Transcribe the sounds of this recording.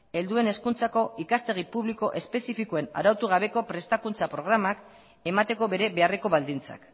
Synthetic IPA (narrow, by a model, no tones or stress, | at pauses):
e̞ld̪ue̞ne̞skunt͡sako̞ikast̪e̞ɣ̞ipuβliko̞ʔe̞spe̞sifikoe̞na̰ɾawt̪uɣ̞aβ̞e̞ko̞pɾe̞st̪akunt͡sapɾo̞ɣ̞ɾamak | e̞mat̪e̞ko̞βe̞ɾe̞βe̞are̞ko̞βald̪int͡sa̰k